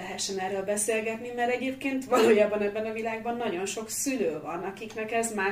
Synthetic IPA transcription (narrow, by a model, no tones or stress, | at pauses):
ɛɦɛʃːɛnɛrːøːlbɛseːlɡɛt̪nimɛɾɛɟeːpkeːnt̪ʋɒloːjaːbːɒnɛbːɛnɒvilaːɡ̚bɒnːɒɟo̞nʃo̞ksyløːvɒnɒkiknɛkɛzmaː